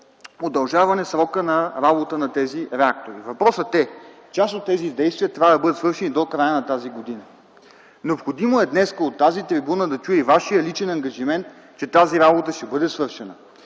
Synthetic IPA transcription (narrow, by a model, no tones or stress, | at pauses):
od̪ɐlˠʒavɐnɛsɾɔkənɐɾabot̪ənɐt̪ɛziɾɛak̚t̪oɾivɐpɾɔsət̪ɛ | t͡ʃasot̪ːɛzid̪ɛjst̪vʲijət̪ɾʲavəd̪ɐbɤdət̪svɤɾʃɛnid̪okɾajənɐt̪aziɡod̪inə | nɛopxod̪imoɛd̪nɛskəot̪ːazit̪ɾibunəd̪ɐt͡ʃuivaʃiəlit͡ʃɛnɐŋɡɐʒimɛnt̪̚ | t͡ʃɛt̪aziɾabot̪əʃt̪ɛbɤd̪ɛsvɤɾʃɛnə